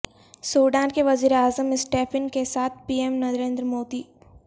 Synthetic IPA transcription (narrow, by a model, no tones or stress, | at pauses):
soːɖaːnkeʋɐziːɾeaːzəmɪsʈeːpʰɪnkesaːt̪̚ʰpiːemnɐzɾẽːnd̪ɾəmoːd̪iː